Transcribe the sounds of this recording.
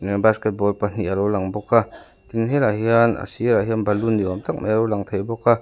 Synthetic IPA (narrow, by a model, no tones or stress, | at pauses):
basket̚bɔlpan̥iaɾɔwlaŋbɔkʰːa | t̪iŋɦeɾahiana̰siɾaɦianbʱɐlundiwamt̪ak̚majaɾɔwlaŋt̪ʰajbɔkːa